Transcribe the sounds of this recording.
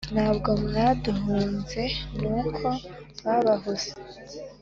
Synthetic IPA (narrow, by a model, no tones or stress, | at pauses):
naːbɡo̞mnaduɦuːnze̞nuːkʰo̞βaβaɦuz̥e